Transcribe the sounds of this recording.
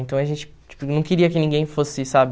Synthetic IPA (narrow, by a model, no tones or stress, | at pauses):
ẽnt̪ɐ̃w̃ɐʒẽnt͡ʃɪ̥ | t͡ʃi̥pʊnɐ̃w̃keɾiɐkɪnĩŋɡẽj̃fosɪsabɪ